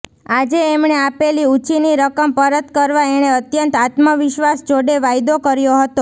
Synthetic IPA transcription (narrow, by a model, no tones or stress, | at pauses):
ad͡ʒeːmɳeapeliut͡ʃiniɾəkəmpəɾət̪kəɾʋaeɽ̃eət̪jənt̪at̪məʋɪʃʋasd͡ʒoɽeʋajd̪okəɾjoɦət̪o